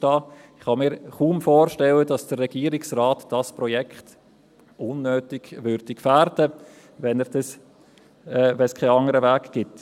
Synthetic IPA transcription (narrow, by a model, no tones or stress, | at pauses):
tɑːɪχhɑmiːɾχuːmfoːɾʃtɛlədɑsd̥ərːɛɡ̥iːəɾɪksraːtd̥ɑspɾɔjɛkʰχt | ʔʊnːøːtɪ̥ʋʏɾd̥ikfæːɾdə | ʋɛnɛɾd̥ɑs | vɛnskʰaɪɑŋəɾəvæːkɡ̥ɪt